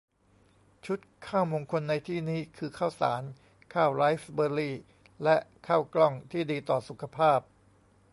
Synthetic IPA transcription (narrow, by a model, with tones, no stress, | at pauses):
t͡ɕʰu˦˥t̪̚kʰaː˥˩wmo˧ŋkʰo˧nːa˧jt̪ʰiː˥˩niː˦˥kʰɯː˧kʰaː˥˩wsa̰ː˩˦n | kʰaː˥˩wɾaː˦˥jfbɤː˧liː˥˩ | lɛ˦˥ʔkʰaː˥˩wklɔ˥˩ŋt̪ʰiː˥˩diː˧t̪ɔː˨˩su˨˩kʰa˧pʰaː˥˩p̚